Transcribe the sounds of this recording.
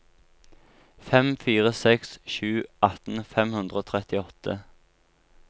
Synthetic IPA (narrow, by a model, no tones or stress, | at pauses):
fɛmfiːʁəsɛksʃʉːʔɑt̪n̩fɛmhʉnd̪ʁəoːt̪ʰʁɛt̪ɪɔt̪ʰə